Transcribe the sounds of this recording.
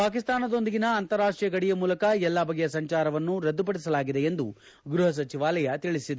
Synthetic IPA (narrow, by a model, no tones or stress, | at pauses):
paːkist̪aːnɐd̪o̞nd̪iɡinɐːnt̪ɐɾaːʂʈɾijɐɡɐɽijɐmuːlɐkɐɛlːabʱɐɡjɐsɐɲt͡ʃaːɾɐʋɐnːuɾɐd̪ːupɐɽis̬ɐlaːɡid̪eend̪u | ɡɾuɦɐs̬ɐt͡ʃiʋaːlɐjɐt̪iɭisid̪